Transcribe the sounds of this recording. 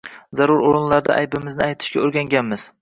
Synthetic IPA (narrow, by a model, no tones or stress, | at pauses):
zaɾʊɾoɾɪnlaɾd̪a̰ʔa̰jbɪmɪznɪajt̪ʰɪ̥ʃkʲaoɾɡʲaŋɡʲanmɪz̥